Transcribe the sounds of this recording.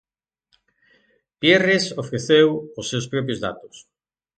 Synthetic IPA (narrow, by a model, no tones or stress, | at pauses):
pjeresofɾeθewʊsːewspɾɔpjʊzða̰t̪ʊ̥s